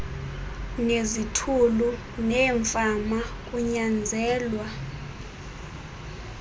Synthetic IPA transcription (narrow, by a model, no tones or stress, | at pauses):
nezitʰulu | nɛːɱfamak̬ʼuɲand͡zʱɛːlwa